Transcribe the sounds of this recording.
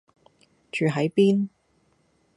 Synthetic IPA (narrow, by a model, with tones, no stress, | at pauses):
t͡ʃyː˨˩ɦɐ˨˥jpiː˥n